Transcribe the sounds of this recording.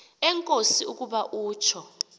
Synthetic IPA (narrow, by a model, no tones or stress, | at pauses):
ɛŋkʼosiuk̬ʼuɓaʔuːt͡ʃʰɔ